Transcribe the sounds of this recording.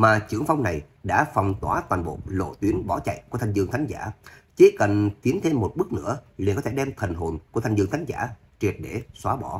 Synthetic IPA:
maː˨˩t͡ɕɨ̰˧˩əŋfa˧wŋ͡mna˨˩j | ɗa̰ː˧˥fa˨˩wŋ͡mt̪waː˨˦t̪waː˨˩nɓo̰˨lo̰˧˨t̪wi˨˦ənɓɔ˧˩t͡ɕa̰˧˨jku˧˩ət̪ʰa˧ŋzɨ˧əŋt̪ʰa˨˦ŋza̰ː˧˩t͡ɕi˨˦kə˨˩nt̪i˨˦ənt̪ʰe˧mːo˨˩t̚ɓɨ˦˥k̚nɨ̰˧˥əli˨nkɔ˨˦e˧˩ɗɛ˧mt̪ʰə˨˩nɦo˨˩nku˧ət̪ʰa˧ŋzɨ̰˧əŋt̪ʰa˨˦ŋ̟za̰ː˧˩ | t͡ɕwi˨˩t̚ɗe˧˩swaː˨˦ɓɔ˧˩

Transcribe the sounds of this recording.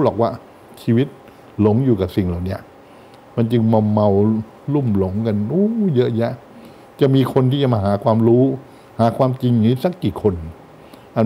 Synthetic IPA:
lɔː˨˩k̚waː˧˩ | t͡ɕʰiː˧wi˦˥t̪̚ | lo˨˩˦ŋjuː˨˩ka˨˩si˨˩ŋlaː˨˩wni˦˥ɐʔ | ma˧nt͡ɕɯ˧ŋma˧wma˧w | lu˥˩mlo˨˦ŋka˧nʔuː˦˥jɤ˦˥ʔja˦˥ʔ | t͡ɕa˨˩ʔmiː˧kʰo˧nt̪ʰi˥˩t͡ɕa˨˩maː˧ɦaː˩˦kʰwaː˧mɾuː˦˥ | haː˩˦kʰwaː˧mt͡ɕi˧ŋiː˦˥sa˦˥kːiː˨˩kʰo˧n | ʔa˨˩

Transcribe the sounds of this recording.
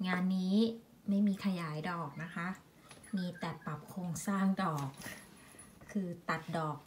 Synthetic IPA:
ŋaː˧nːiː˦˥ | ma˥˩jmiː˧kʰa˧jaː˩˦jdɔː˨˩k̚na˦˥kʰa˦˥ʔ | miː˧t̪ɛ˨˩t̪̚pa˨˩p̚kʰoː˧ŋsaː˥˩ŋdɔː˨˩kʰ | ɯː˧t̪a˨˩t̪̚dɔː˨˩k̚

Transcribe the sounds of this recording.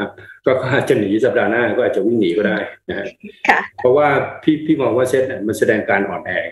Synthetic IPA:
a˦˥kɔː˥˩kʰɔː˥˩ʔaː˨˩t̪̚t͡ɕa˨˩niː˩˦sa˨˩p̚daː˧naː˥˩kɔː˥˩ʔaː˨˩t̚t͡ɕa˨˩wi˥˩ŋniː˩˦kɔː˥˩daː˥˩jna˦˥ka˦˥kʰpʰɔ˦˥waː˥˩p̪ʰiː˥˩pʰiː˥˩mɔː˧ŋwaː˥˩se˦˥t̪̚ni˦˥˩ma˧nsa˧dɛː˧ŋkaː˧nʔɔː˨˩nhɛː˧˩ŋ

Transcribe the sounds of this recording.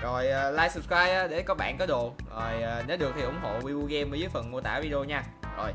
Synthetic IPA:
zo˨˩jə˨˩laː˧jsɨ˨p̚skwaː˧j̚ʔaː˨˦ɗe˧˩kɔ˨˦ɓa̰ː˧˨nkɔ˨˦ɗo˧˨ | zo˨˩jːne˨˦ɗɨ˨˩ək̚t̪ʰi˨˩ʔʊ˧˥˦ŋ͡mɦo̰˧˨wi˧wo˧ɣɛ˧məː˨˦zə˨˦jfə˨˩nmu˧ət̪aː˧˩vi˧ɗə˧o˧ɲaː˧ | zo˨˩j

